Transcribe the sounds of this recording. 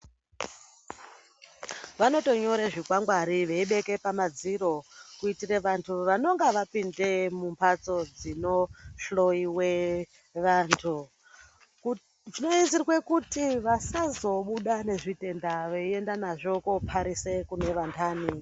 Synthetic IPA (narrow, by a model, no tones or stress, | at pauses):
ʋano̞to̞ɲo̞ɾeʐikwaŋɡwaɾiʋeiɓe̞ke̞pamad͡ziɾo̞kuitireʋantʰuʋano̞ŋɡaʋapinde̞mumpʰat͡so̞d͡zino̞ɬo̞iwe̞ | ʋaːntʰu | ʐinoiziɾwe̞kutiʋasazo̞ɓuɗane̞ʐite̞ndaʋeie̞ndanaʐo̞kopʰaɾise̞kune̞ʋantʰaːni